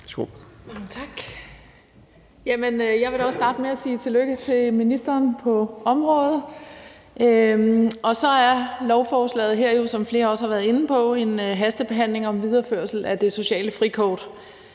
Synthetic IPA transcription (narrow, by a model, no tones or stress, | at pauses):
so̰̥mɑ̈ŋət͡sʰɑ̈ɡ̥ | jæmənøjɑ̈ɪʋe̝ɾɒ̽sːd̥ɑ̈ːd̥əmeæsiːt͡sʰe̝løɡ̥ət͡sʰe̝minisd̥ɐːnpʰɒ̽ɒ̽mʁɔ̽ːð̩ˠ | ʔøʔɒ̽sɒ̽æɐlɒʊfɒːslɛ̰ːð̩ˠɦeɐ̰jo̝sɒ̽mfle̝ːɐɒ̽shɑ̈ʋæːɐðˠe̝nn̩pʰɒ̽e̝nɦæsd̥əb̥e̝ɦæn̰le̝ŋɒ̽mʋið̞ˠɐføɐsl̩æd̥e̝so̝ɕɛ̰ːləfʁikʰɒ̰ːd̥